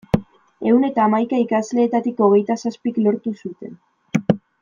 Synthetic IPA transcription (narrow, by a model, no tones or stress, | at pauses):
e̞wne̞t̪aːmajkaikazle̞ːt̪at̪iko̞ɣ̞e̞jt̪asaspiklo̞ɾt̪usut̪e̞̰n